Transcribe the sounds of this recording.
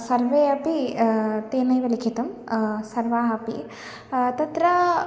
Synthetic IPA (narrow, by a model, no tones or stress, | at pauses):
sɐɾʋeːɐpit̪eːnɐjʋɐlikʰit̪ɐmsɐɾʋaːɦɐpḭ | t̪ɐt̪ɾɐ